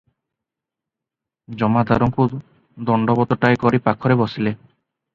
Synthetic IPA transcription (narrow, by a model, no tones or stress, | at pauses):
d͡ʒɔmad̪aɾɔŋku | d̪ɔɳɖɔbɔt̪ɔʈajkɔɾipakʰɔɾebɔsile